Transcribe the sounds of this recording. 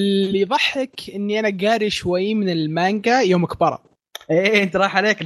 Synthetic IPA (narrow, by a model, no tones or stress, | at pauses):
iðˤɑħːɪkʔɪnːiʔanaɡaːɾiʃwajːmɪnɪlmaŋɡajoːmʔakbɑɾˤɑ̰ | ʔeːʔɪnt̪iɾˤɑːħʕaleːk